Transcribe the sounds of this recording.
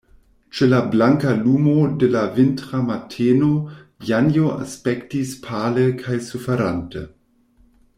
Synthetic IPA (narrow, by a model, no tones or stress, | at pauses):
t͡ʃelablaŋkalumodelavɪntɾamatʰeːnojanjoa̰spɛktispʰaːləkʰajsufeɾantə